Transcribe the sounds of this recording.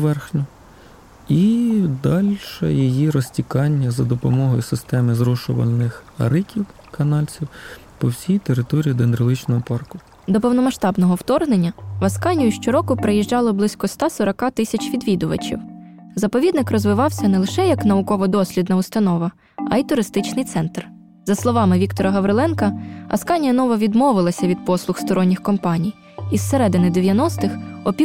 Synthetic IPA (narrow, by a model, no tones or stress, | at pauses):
ʋɛrxnʲʊ | id̪ɑlʲʃɛjijiɾɔsʲtʲikɑnʲːɐzɐd̪ɔpɔmɔɦɔjʊsɪst̪ɛmɪzɾɔʃʊʋɐ̰nɪxɐ̰ɾɪkʲiw | kɐnɑlʲt͡sʲiw | pɔwsʲijt̪eɾɪt̪ɔɾʲiid̪enɾɪlˠɪt͡ʃnɔɦɔpɑrkʊ | d̪ɔpɔwnɔmɐʃt̪ɑbnɔɦɔwt̪ɔrɦnenʲːɐʋɐskɑnʲʊjʊʃt͡ʃɔɾɔkʊpɾejiʒd͡ʒɑlˠɔblˠɪsʲkɔst̪ɑsɔɾɐkɑt̪ɪsʲɐt͡ʃʲʋʲid̪ʋʲid̪ʊʋɐ̰t͡ʃḭwzɐpɔʋʲid̪nɪkrɔzʋɪʋɑwsʲɐnɛlˠɪʃɛjɐknɐʊkɔʋɔd̪ɔsʲlʲid̪nɐʊst̪ɐnɔʋɐ | ɐit̪ʊɾɪst̪ɪt͡ʃnɪjt̪sɛnt̪r | zɐslˠɔʋɑmɪʋʲikt̪ɔɾɐɦɐʋɾɪlˠɛnkɐɐ̰skɑnʲijɐnɔʋɐʋʲid̪mɔʋɪlˠɐsʲɐʋʲid̪̚pɔslˠʊxst̪ɔɾɔnʲːixkɔmpɑnʲij | isːeɾɛd̪ɪnɪd̪eʋʲjɐnɔst̪ɪxɔpʲi